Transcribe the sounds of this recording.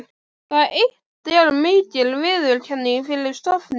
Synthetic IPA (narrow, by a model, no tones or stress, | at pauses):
kaðejh | t̪ɛɾmɪːcɪlvɪðʏlcʰɛnːɪnfɪɾɪɾst̪ɔfnɪ